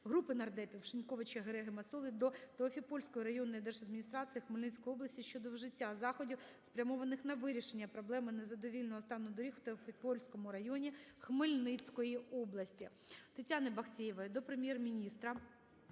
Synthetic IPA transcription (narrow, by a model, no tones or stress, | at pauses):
ɦɾupɪnɐrd̪ɛpʲiwʃɪnʲkɔʋɪt͡ʃɐɦeɾɛɦɪmɐt̪sɔlˠɪd̪ɔt̪eɔfʲipɔlʲsʲkɔjiɾɐjɔnːɔjid̪ɛrʒɐd̪̚mʲinʲist̪ɾɑsɨjixmɪlʲnɪt͡sʲkɔjɔblˠɐsʲtʲiʃt͡ʃɔd̪ɔwʒɪtʲːazɑxɔdʲiwspɾʲɐmɔʋɐnɪxnɐʋɪɾʲiʃe̞nʲːɐpɾɔblˠɛmɪnɛzɐd̪ɔʋʲilʲnɔɦɔst̪ɑnɔd̪ɔɾʲixw̥t̪eɔfʲipɔlʲsʲkɔmʊɾɐjɔnʲixmɪlʲnɪt͡sʲkɔjiɔblˠɐsʲtʲi | t̪ɪtʲanɪbɐxtʲijɪʋɐd̪ɔpɾemʲjɛrmʲinʲist̪ɾɐ